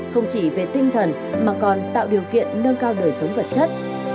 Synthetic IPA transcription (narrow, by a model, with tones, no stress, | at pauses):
xə˧wŋ͡mt͡ɕi˧˩ve˨˩t̪ï˧ŋ̟t̪ʰə˨˩n | maː˨˩kɔ˨˩nt̪a̰ː˧˨wɗi˨˩əwkḭ˧˨ənːəː˧nkaː˧wɗəː˨˩jzə˨˦wŋ͡mvə˨˩t̚t͡ɕə˦˥t̚